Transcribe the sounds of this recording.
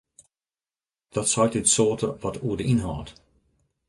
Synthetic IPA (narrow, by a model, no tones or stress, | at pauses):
d̥ɔtsɔjtɪtsoːtəʋɔtuədəinɦaːt